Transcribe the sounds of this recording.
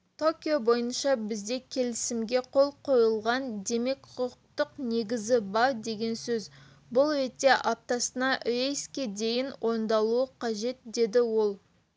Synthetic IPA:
t̪ʰo̞kʲijo̞bo̞jənʃɑbɪzd̪e̞kʲʰe̞lɪsɪmɡʲe̞qʰo̞lˠqʰo̞jəlˠʁɑnd̪e̞me̞kʰʊq̚t̪əqne̞ɡʲɪzɪbɑɾd̪e̞ɡʲe̞nsɵz | bʊlˠɾe̞t̪ːe̞ʔap̚t̪ɑsənɑʔejskʲed̪e̞jɪnwʔo̞nd̪ɑlˠuəqʰɑʒe̞t̪̚d̪e̞d̪ɪwo̞lˠ

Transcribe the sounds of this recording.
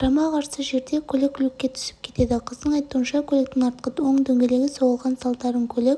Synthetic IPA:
ɾɑmɑqʰɑɾsəʒe̞ɾd̪e̞kʲʰɵlekʰʲːʏlekʲːe̞t̪ʰʏ̥sɪ̥p̚kʲʰe̞t̪e̞d̪ɪqʰəzd̪əɴɑjt̪uənʃɑkʲʰɵlek̚t̪ɪŋɑɾt̪̚qəo̞ɴd̪ɵŋɡʲe̞le̞ɡʲɪsowəlˠʁɑnsɑlˠt̪ɑɾəŋkʲʰɵlɪkʲ

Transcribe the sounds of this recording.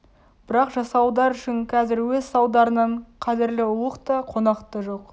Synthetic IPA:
b̥ɪɾɑqʒɑsɑwd̪ɑɾʏʃɪnqʰɑzɪɾwɵzsɑwd̪ɑɾənɑɴqʰɑzɪɾlɪʊəqt̪ɑqʰo̞nɑqt̪əʒo̞q

